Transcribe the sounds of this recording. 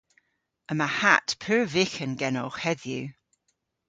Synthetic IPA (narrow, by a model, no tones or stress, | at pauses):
əmahatpʰʉːɹvɪxənɡɛnɔχhɛðjʉ